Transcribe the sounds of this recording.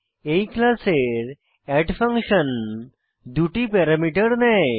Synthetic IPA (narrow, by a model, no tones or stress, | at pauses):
eiklaseɾ | ɛʈfə̃ŋkɕən | d̪uʈipɛɾamiʈəɾnaj